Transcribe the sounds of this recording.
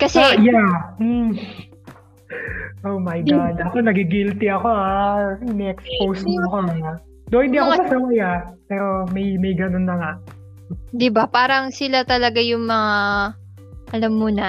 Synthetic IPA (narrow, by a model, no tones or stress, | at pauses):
kɐsɛjam̩ | ʔowmɐjɡad̪ɐko̞nɐɡɪɡilt̪ɪɐko̞aɪnɛɛkspowsmoɐko | d̪ohɪnd̪iːɐkoɐɐsɐwajapɛːɾo̞mɐjmɐjɡɐnonːɐŋaʔ | d̪ɪbapaːɾɐŋsɪlat̪ɐlɐɡajʊŋmɐŋa | ʔɐlamːunɐ